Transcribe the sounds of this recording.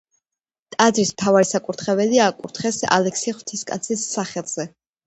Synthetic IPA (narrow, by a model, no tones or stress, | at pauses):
t̪ʼad̪ɾismt̪ʰavaɾisakʼuɾt̪ʰχɛvɛliaːkʼuɾt̪ʰχɛsa̰lɛksiχwt̪ʰiskʼa̰t̪sʰisːaχɛlˠz̥ɛ